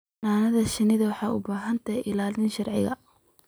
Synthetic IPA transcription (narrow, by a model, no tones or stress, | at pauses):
naːnɐðɐʃɪnɪðɐwɑħɑːʊbaːɦɐnt̪ʰɐʔɪlaːlɪnʃɐrʕɪ̰ɣɐ̰